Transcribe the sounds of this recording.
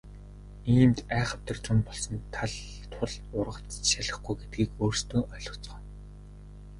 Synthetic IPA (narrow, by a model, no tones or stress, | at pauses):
iːmt̪æːχə̆p̚t̪ə̆rt͡ɕʊ̆mpɔɮsɞ̆nt̪ʰaɮ | t̪ʰʊɮʊrʁə̆t͡sʃaɮə̆χɡujɡet̪̚ɡiːkoːrst̪oːʔœɮʊ̆t͡sɢə̆n